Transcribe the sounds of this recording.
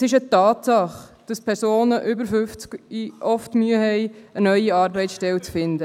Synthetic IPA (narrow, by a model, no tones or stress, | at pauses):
sɪʃət̪ɑːt̪sɑχd̥ɑspʰɛɾsoːnəʔʏbəɾfʏft͡skiʔɔftmyəɦɛɪənœʏiɑːɾbɛɪtʃtɛlt͡sfɪndə